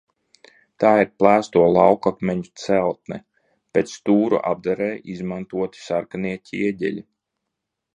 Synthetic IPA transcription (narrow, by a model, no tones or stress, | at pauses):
t̪aːiɾplˠæːst̪uɔlˠawkakmʲɛɲut̪sɛlˠt̪̚nɛ | pʲeːt̪st̪uːɾṵʔa̰b̚d̪aɾɛːʔizmant̪uɔt̪i̥saɾkaniɛcʲiɛɟʲɛ̰lʲi